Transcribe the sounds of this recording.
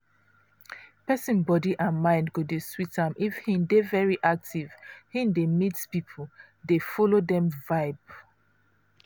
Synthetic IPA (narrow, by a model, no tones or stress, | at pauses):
pɛsĩnbɔdiʔãnmãɪ̃ndɡudeswitãmʔifhĩndevɛɹiʔak̚tiv̥hĩndemitspipʰol | defɔlodɛ̃mvaɪb